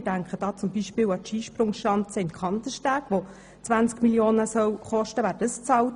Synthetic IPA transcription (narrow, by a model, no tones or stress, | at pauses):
d̥æŋkχəd̥ɑːt͡sʊmbiʃpɪːwɑtʃiːʃpɾʊŋʃɑnt͡səɪnkʰχɑnt̪əʃtæːɡ̥ʋo | t͡sʋænt͡skmiljoːnəsœwχɔʃtəʋæːɾdəst͡sɑwt